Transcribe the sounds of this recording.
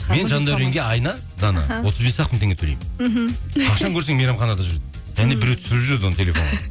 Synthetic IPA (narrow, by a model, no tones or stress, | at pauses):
me̞nʒɑnd̪ɑɾeŋɡʲe̞ɑjnɑ | d̪ɑnɑ̰wo̞t̪əzbe̞sɑqt̪ənt̪eŋɡ̪et̪ʰɵlejm̩ʰ | ɑʃɑŋkʰʲɵɾs̬eŋmejɾɑmχɑnɑd̪ɑʒʏɾd̪ɪ | ʒæne̞bɪɾewt̪ʰʏ̥sɪɾɪpʒʏɾd̪ɪwonət̪ʰelʲe̞fo̞ɴʁɑ